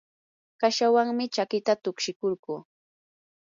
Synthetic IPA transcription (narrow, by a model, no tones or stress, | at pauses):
kaʃawaŋmɪt͡ʃakɪt̪at̪ʊkʃɪkoɾkuː